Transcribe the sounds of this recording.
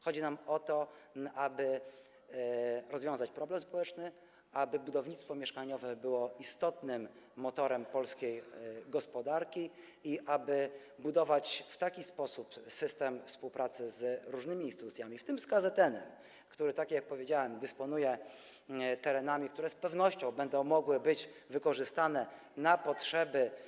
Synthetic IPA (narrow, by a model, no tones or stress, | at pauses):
xɔd͡ʑinamɔt̪ɔʔabɘ | ɾɔzvʲɔ̃w̃zat͡ɕpɾɔblɛmspɔwɛt͡ʂnɘ | abɘbud̪ɔvɲit̪st̪fɔmʲjɛʂkaɲɔvɛbɘwɔist̪ɔt̪nɘmːɔt̪ɔɾɛmpɔlskʲejɡɔspɔd̪aɾkʲi | iʔabɘ | bud̪ɔvat͡ɕft̪akʲispɔsupsɘst̪ɛmfspuwpɾʔat̪sɘzɾuʐnɘmʲiiːnst̪ɘt̪ut̪sʲjamʲift̪ɘmskazɛt̪ɛnɛm | kt̪uɾɘt̪akjak̚pɔvʲjed͡ʑawɛmd̪ɘspɔnujɛ | t̪ɛɾɛnamʲik̚t̪uɾɛspɛvnɔɕt͡ɕɔ̃w̃bɛnd̪ɔ̃w̃mɔɡwɘbɘd͡ʑvɘkɔʐɘst̪anɛ | napɔtʂɛbɘ